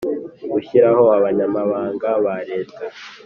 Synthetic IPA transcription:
ɡuçiɾaho̞aβaɲamaβaːŋɡaβaɾe̞ːtʰa

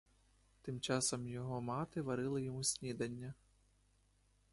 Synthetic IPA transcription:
t̪ɪmt͡ʃɑsɔmjɔɦɔmɑt̪ɪʋɐɾɪlˠɪjɔmusʲnʲid̪ɐnʲːɐ

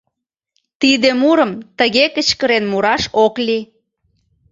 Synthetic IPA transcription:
t̪id̪emuɾəmt̪əɣekət͡ɕkəɾenmuɾɑʃokli

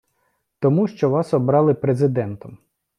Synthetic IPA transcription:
t̪ɔmuʃt͡ʃɔʋɑsɔbɾɑlˠɪpɾezɪd̪ɛnt̪ɔm

